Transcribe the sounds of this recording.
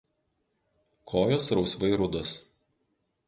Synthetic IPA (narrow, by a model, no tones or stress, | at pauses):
kʰoːjoːsɾɒʊsʋɐɪɾʊd̪ɔs